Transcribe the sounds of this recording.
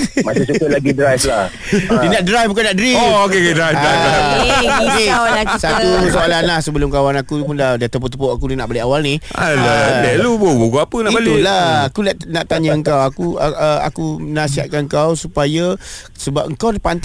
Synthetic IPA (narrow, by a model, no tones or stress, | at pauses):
maset͡ʃukəʔ̚laɡidɾajfla | dinaʔ̚dɾajfbuk̬anaʔdɾiookeadɾajfdaja | kesat̪usaalanahsəbəlʊmkawanakupundadat̪əp̬ot̪əpoʔakudinaʔbaleʔawalnihaladalupobukuapənãʔbalt̪ulaakunanaʔt̪aɲaəŋkawakuʔəa̰kumənãsiɦa̰t̪̚kanŋkawsupaja | səbap̚əŋkawnapant̪